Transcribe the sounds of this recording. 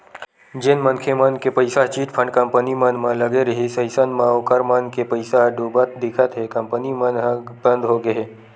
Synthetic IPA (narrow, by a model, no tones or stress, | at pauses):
d͡ʒenmənkʰemənkepəjsaɦt͡ʃiːʈpʰə̃ɳɖkəmpənimənmãləɡeɾəɦisəisənmãokəɾmənkepəɪsaɦɖubət̪̚d̪ɪkʰət̪ɦekəmpənimənɦbə̃nd̪ɦoɡəɦe